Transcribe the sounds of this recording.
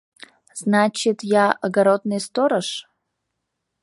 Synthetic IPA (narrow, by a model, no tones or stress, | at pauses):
z̥nat͡ɕɪt̪jaəɡaɾod̪nɨjst̪oɾəʃ